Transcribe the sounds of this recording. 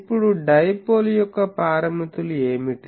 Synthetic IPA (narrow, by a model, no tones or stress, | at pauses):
pːuɽuɖɐjpoːljɔkːɐpaːɾɐmit̪ulueːmiʈ